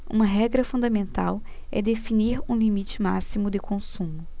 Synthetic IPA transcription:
ṵ̃mɐɦɛɡɾɐfũnd̪ɐmẽnt̪a̰w | ɛ̰d̪efiniɾũlimit͡ʃɪma̰simʊd̪ɪkʰõsũmʊ

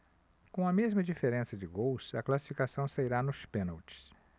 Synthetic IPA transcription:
kõw̃ɐmezmɐd͡ʒifeɾẽsɐd͡ʒɪɡowsɐklasi̥fikasɐ̃w̃saiɾanʊspẽnɐwt͡ʃɪ̥s

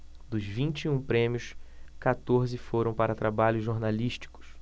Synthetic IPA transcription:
d̪ʊzvĩnt͡ʃiũpɾẽmjʊskat̪oɾzɪfoɾɐ̃w̃paɾɐt̪ɾabaʎʊzʒːoɾnaliʃt͡ʃi̥kʊ̥s

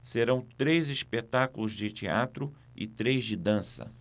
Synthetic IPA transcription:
seɾɐ̃w̃t̪ɾejzispet̪akʊlʊzd͡ʒɪt͡ʃea̰t̪ɾʊ | ɪ̰t̪ɾejzd͡ʒɪd̪ɐ̃sɐ̰

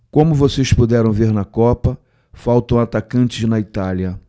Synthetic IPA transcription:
kõmʊvosespud̪ɛɾɐ̃w̃veɾnɐkɔpɐ | fawt̪ɐ̃w̃at̪akɐ̃nt͡ʃɪznɐit̪aljɐ

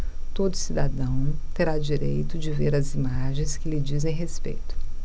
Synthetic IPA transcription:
t̪od̪ʊsid̪ad̪ɐ̃w̃t̪eɾad͡ʒiɾejt̪ʊd͡ʒɪveɾɐzimaʒẽj̃skɪlɪd͡ʒizẽj̃ɦespḛjt̪ʊ̥

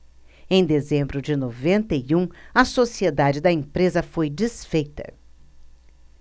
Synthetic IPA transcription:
ẽj̃d̪ezẽmbɾʊd͡ʒɪnovẽnt̪ejũɐsosied̪ad͡ʒɪd̪ɐẽpɾezɐfojd͡ʒisfejt̪ɐ̰

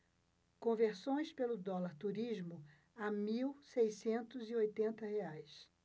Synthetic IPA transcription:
kõveɾsõj̃spelʊd̪ɔlaɾt̪uɾizmʊ | amiwsejsẽnt̪ʊziojt̪ẽnt̪ɐheajs

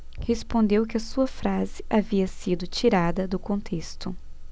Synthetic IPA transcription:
hespõnd̪ewkɪɐsuɐfɾazɪʔaviɐsid̪ʊt͡ʃiɾad̪ɐd̪ʊkõnt̪ʰest̪ʊ

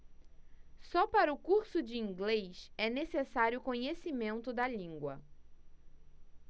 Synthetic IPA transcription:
sɔpaɾɐʊkuɾsʊd͡ʒɪĩŋɡlejʃɛnesesaɾjʊkõɲesimẽnt̪ʊd̪ɐlĩŋɡwɐ̰

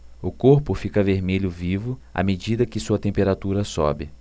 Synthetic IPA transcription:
ʊkoɾpʊfikɐveɾmeʎʊvivʊa̰med͡ʒid̪ɐkɪsuɐt̪ẽpeɾat̪uɾɐsɔ̰bɪ

